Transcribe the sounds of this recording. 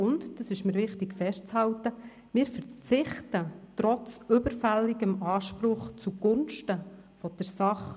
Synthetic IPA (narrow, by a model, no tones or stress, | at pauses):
ʊntd̥ɑsɪʃmɪːɾʋɪχtɪkfɛʃtt͡shɑwtə | mɪːɾfəɾt͡sɪχtətɾɔt͡sʏbəɾfɛlːiɡəmɑːʃpɾʊχt͡suɡ̥ʊnʃtə | fɔd̥ɛɾsɑχ